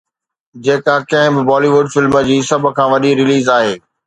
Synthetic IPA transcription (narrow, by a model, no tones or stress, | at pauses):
d͡ʑeːkakɐ̃ɦɪ̃bɪbɔːliʋʊɖfɪlməd͡ʑiːsɐb̆ʱkʰãːʋɐɗiɾɪliːzaːɦeː